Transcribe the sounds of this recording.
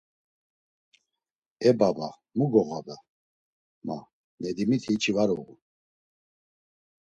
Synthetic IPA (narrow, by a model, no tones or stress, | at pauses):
ɛbaba | muɡɔɣaba | ma̰ | nɛd̪imit̪ʰit͡ʃʰivaɾuɣu